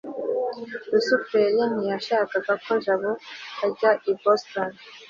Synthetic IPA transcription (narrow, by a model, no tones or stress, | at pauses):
ɾusupeɾjenijaʃaːkaɡako̞ʒaβohaɟaʔiboston